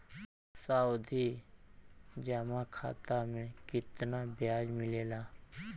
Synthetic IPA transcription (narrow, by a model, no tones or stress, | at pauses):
saːud̪ʱi | d͡ʒamakʰa̰ːt̪amẽkɪt̪nabɪjaːd͡ʒmɪleːlaː